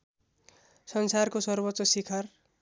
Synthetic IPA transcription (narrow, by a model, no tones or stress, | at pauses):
sʌnsarkosʌrbʌtːsʌsikʰar